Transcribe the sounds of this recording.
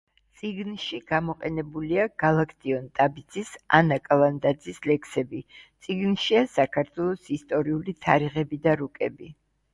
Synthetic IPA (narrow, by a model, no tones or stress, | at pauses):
t̪sʼiɡnʃiɡ̥amɔqʼɛnɛbuliaɡ̥alˠakʰt̪ʼiɔnt̪ʼabid̪zisa̰nakʼaland̪ad̪zislɛkʰsɛbit̪sʼiɡnʃiasakʰaɾt̪ʰwɛlˠɔsist̪ʼɔɾiulit̪ʰaɾiʁɛbid̪aɾukʼɛbi